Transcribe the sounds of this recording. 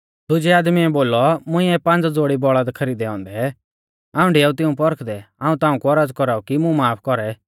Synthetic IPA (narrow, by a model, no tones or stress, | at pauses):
d̪ʊd͡ʒɛaːd̪miɛboːlɔmʊ̃ĩɛpãnd͡zd͡zoːɽibɔɭad̪kʰɐɾiːd̪ɛɔ̃ːnd̪ɛ | aːũɖeaːut̪̬ɪũpɔɾkʰd̪ɛãːũt̪ãːũkuɔɾaːd͡zkɔɾaːukimũmaːpʰkɔɾɛ